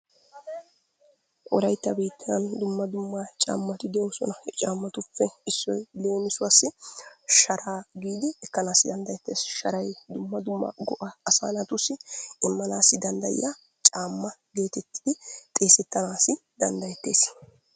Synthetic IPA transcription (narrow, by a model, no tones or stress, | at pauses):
ʔɔlɐjt̪ːɐbiːt̪ːɐɐnd̪ʊmːɐd̪ʊmːat͡ʃʼa̰ːmːɐt̪ɪd̪ɛosɔ̰nɐt͡ʃʼaːmːɐt̪ʊfːɛɪsːɔjle̞ːnɪsʊwasːɪʃɐɾaːɡiːd̪ɪɛkːɐnaːsːɪd̪ɐnd̪ɐjɛt̪ːeːsʃɐɾɐjd̪ʊmːɐd̪ʊmːɐ̰ɡɔʔɐːsa̰ːnɐt̪ʊsːɪɪmːɐnaːsːɪd̪ɐnd̪ɐ̰jɪ̰ja | t͡ʃʼaːmːɐɡe̞ːt̪ɛt̪ːɪd̪ɪt̪ʼe̞ːsɛt̪ːɐnaːsɪ | d̪ɐnd̪ɐjɛt̪ːe̞ːs